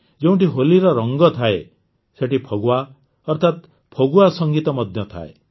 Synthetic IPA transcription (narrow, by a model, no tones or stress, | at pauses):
d͡ʒeũʈiɦoliɾɔɾɔŋɡɔt̪ʰae | seʈipʰoɡuwa | ɔɾt̪ʰat̪ | pʰoɡuasɔŋɡit̪ɔmɔd̪ʱjɔt̪ʰa̰ḛ